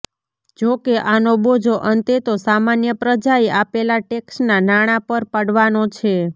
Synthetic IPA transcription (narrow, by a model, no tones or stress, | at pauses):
d͡ʒokeʔanobod͡ʒʱoʔənt̪et̪osamanjəpɾəd͡ʒajapelaʈeksnanaɽ̃apəɾpəɽʋanot͡ʃʰe